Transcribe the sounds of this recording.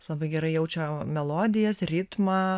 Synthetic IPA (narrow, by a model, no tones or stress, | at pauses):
slˠɐbɐɪɡʲɛɾɐɪjɛʊt͡ʃʲoːmʲɛlˠoːd̪ʲɪjɛsrʲɪt̪mɑː